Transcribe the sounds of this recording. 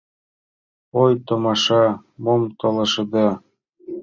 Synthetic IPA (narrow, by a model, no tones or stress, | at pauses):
ojt̪ŏmɑʃɑmomt̪olɤ̆ʃɤ̆d̪ɑ